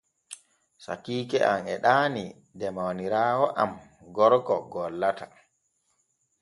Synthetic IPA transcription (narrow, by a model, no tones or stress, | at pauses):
sa̰kiːkɛʔamɛɗaːni | dɛmawniɾaːwɔʔa̰mɡɔɾkɔɡɔlːata